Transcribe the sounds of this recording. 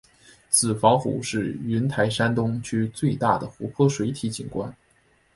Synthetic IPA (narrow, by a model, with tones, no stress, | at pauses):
t͡sɹ̩˨˩fɑ˧˥ŋxṵ˨˥ʂɻ̩˥˩y˧˥nt̪ʰa˧˥ɪʂa˥nt̪ʊ˥ŋt͡ɕʰy˥t͡swe˥˧ɪt̪a˥˩d̪ə˩xu˧˥pʰɤ˥ʂwe˧˥ɪt̪ʰi˧˥t͡ɕḭ˨˩nkwa˥n